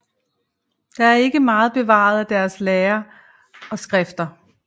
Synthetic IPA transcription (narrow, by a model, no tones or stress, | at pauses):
d̥ɑ̈æɐe̝ɡ̥əmɑ̈ːð̞̩ˠb̥e̝ʋɑ̰̈ð̩ˠæd̥æɐsleːɐ | ɒ̽sɡ̥ʁɛfd̥ɐ